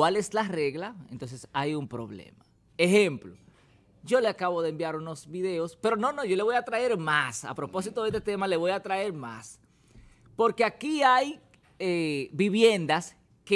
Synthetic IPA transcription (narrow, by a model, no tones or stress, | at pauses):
wale̞slare̞ɣlaent̪o̞ns̬esajumpɾo̞̰βlḛma | exemplo | ɟ͡ʝo̞leakaβo̞ðeembjaɾuno̞sβiðe̞o̞spe̞ɾo̞no̞no̞ʝole̞β̞o̞jat̪ɾae̞ɾmasa̰pɾo̞po̞s̬it̪oðest̪et̪e̞male̞βo̞jat̪ɾae̞ɾma̰s | po̞ɾke̞akiaj | ebiβje̞nd̪as | ke